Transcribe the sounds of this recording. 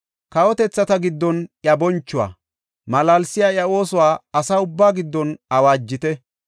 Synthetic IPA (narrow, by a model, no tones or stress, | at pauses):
kɐwɔt̪ɛt͡sːɐt̪ɐɡɪd̪ːɔnjɐbɔnt͡ʃːʊwa̰ː | mɐlaːlsɪjaːjɐo̞ːsʊwaːɐsaːʊbːaːɡɪd̪ːɔnɐwaːd͡ʒːɪt̪ɛ